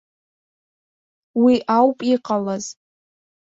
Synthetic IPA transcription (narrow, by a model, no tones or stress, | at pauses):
wiʔawpʼiqʼalaz̥